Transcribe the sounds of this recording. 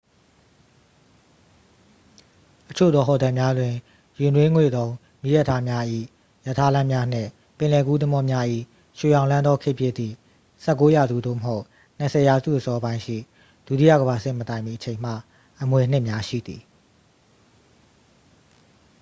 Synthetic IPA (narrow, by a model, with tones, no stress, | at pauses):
ʔət͡ɕʰo̰˦˨d̪ðɔ˦ɦɔ˨dã˨mja˦dwɪ̃˨ | jɪ̃˨ndwẽ˦ŋwḛ˦˨d̪õ˦ʊ̃ | mi˦˨jɛ˦˨tʰːa˦mja˦ʔḭ˦˨ | jə˨tʰa˦lã˦mja˦n̥ɪ̰̃˦˨ | pɪ̃˨lɛ˨ɡu˦d̪ə˦mɔ˦mja˦ʔḭ˦˨ | ʃe˨jã˨ʊ̃lã˦nd̪ɔ˦kʰɪ˦ʔpjɪ˦˨t̪ːḭ˦˨ | sɛ˦˨kːo˦ja˨zṵ˦˨d̪o̰˦˨məɦo˦ʊ | n̥ə˨sʰɛ˨ja˨zṵ˦˨ʔəsɔ˦əbã˦ɪ̃ʃḭ˦˨ | d̥u˦˨ti˦a̰˦˨ɡə˨βa˨sɪ̰̃˦˨mətã˨ɪ̃mbi˨ət͡ɕʰẽ˨ɪ̃m̥a̰˦˨ | ʔəmwe˨n̥ɪ˦ʔmja˦ʃḭ˦˨d̪i˨